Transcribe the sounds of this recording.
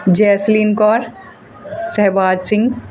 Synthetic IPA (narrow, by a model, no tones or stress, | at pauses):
d͡ʒɛːsliːnkɔːɾ | sɛɦʋaːd͡ʒsɪ̃ŋɡ